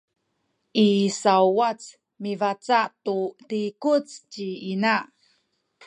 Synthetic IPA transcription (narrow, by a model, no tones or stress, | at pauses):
ʔisawwat͡s | mivat͡saʔtutikut͡st͡ɕiinaʔ